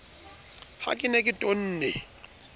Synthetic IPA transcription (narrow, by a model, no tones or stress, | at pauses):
ha̰kʼɪnekʼɪtʼon̩ːnɛ